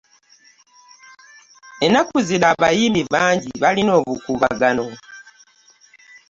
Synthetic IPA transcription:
enakuziɾaːβajiːmbiβaːɲɟiβalino̞ːβukuβa̰ɡano̞

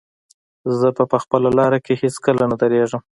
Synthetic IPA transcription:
zəpəpəxpəlalɑɾakeheskəlanad̪əɾeʐəm

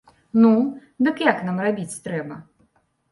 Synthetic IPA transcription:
nud̪ɨkjaknamrabʲit͡sʲt̪ɾɛbɐ

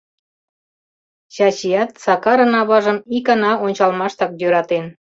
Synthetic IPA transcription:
ɕɑt͡ɕijɑt̪sɑkɑɾɤ̆nɑβɑʒə̆mikɑnɑonʲt͡ɕɑlmɑʃt̪ɑk̚jøɾɑt̪en

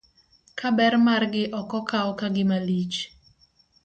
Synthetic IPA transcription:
kabɛrmarɡɪʔɔkɔkaɔkaɡɪmalit͡ʃ

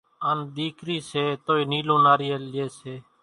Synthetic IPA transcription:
and̪iːkɾiːseːt̪oːiːniːlõːnaːɾiːeːlɪeːseː

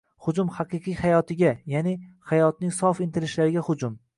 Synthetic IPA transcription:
hʊd͡ʒʊmhɑqɨqʰɨjhajɒt̪ʰɪɡʲajanɪhajɒt̪̚nɪŋsɒfɪnt̪ʰɪɾɪʃlaɾɪɡʲahʊd͡ʒʊm

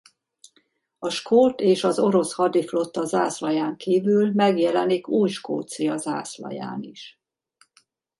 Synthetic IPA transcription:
ɒʃkʰoːt̪eːʃɒzo̞ɾo̞shɒd̪iflo̞t̪ːɒzaːslɒjaːŋkiːvylmɛɡjɛlɛnikuːjʃko̰ːt̪sijɒza̰ːslɒ̰ja̰ːniʃ

